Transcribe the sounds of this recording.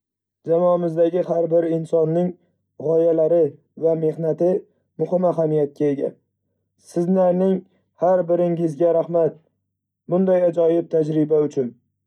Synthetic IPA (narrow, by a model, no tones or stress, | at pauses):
d͡ʒamɒamɪzd̪aɡʲɪhaɾbɪɾɪnsɒnːɪŋ | ʁɒjalaɾɪ | vame̞hnat̪ɪ | mʊhɪmaɦamijat̪̚kʲʰae̞ɡʲa̰ | sɪzlaɾnɪŋ | haɾbɪɾɪŋɪzɡʲaɾahmat̪̚ | bʊnd̪ajad͡ʒɒjɪb̚t̪ʰad͡ʒɾɪbaʊt͡ʃʰʊn